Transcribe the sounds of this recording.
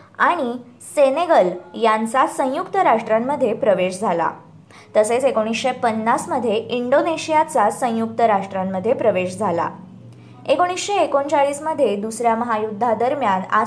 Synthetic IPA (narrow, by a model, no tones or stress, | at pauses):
aɽ̃i | seneɡəljant͡sasə̃jukt̪əɾaʂʈɾamːəd̪ʱːjepɾəʋeɕd͡zʱala̰ | t̪əset͡sekoɽ̃isɕepənːasməd̪ʱːjeʔiɳɖoneɕijat͡sasə̃juk̚t̪əɾaʂʈɾamːəd̪ʱːjepɾəʋeɕd͡zʱala̰ | ekoɽ̃isɕeːkont͡saɭiːsməd̪ʱːjed̪usɾjaməɦajud̪ʱːad̪əɾmjana̰